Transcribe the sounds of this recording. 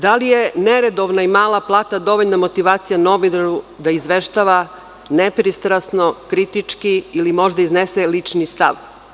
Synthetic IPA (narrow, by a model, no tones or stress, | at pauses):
d̪alijeneɾed̪oʋnaimaːlˠaplˠaːt̪ad̪o̞ʋoʎnamo̞t̪iʋaːt̪sijano̞ʋinaɾud̪aizʋeʃt̪aʋa | nepɾist̪ɾasno̞kɾit̪it͡ʂkiːlimo̞ʒd̪aizneselit͡ʃnist̪a̰ʋ